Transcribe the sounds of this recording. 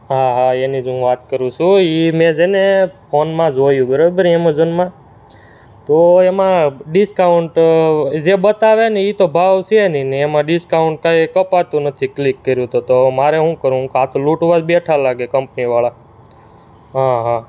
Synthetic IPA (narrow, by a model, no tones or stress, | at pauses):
ɦaɦaenid͡ʒɦũʋat̪kəɾũt͡ʃʰũimẽd͡ʒenepʰonmãd͡ʒojũɡəɾəbəɾiemõd͡ʒonmã | t̪oemãɖiskaɳʈd͡ʒebət̪aʋeneit̪obʱaʋsʰieniniemãɖiskaʊɳʈ̚kajkəpat̪ũnət̪ʰiklikːəɾjũt̪ot̪omaɾeɦũkəɾũkat̪ʰluʈʋad͡ʒbeʈʰalaɡekəmpniʋaɭa | ɦãɦã